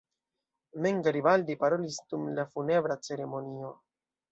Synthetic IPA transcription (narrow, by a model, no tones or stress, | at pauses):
me̞ŋɡaɾibaldipaɾo̞lisd̥umlafune̞bɾat͡se̞ɾe̞mo̞nio̞